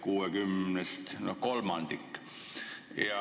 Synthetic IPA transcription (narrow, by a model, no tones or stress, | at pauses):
kuːekymnest̪nokolmɑnd̪ik | jɑ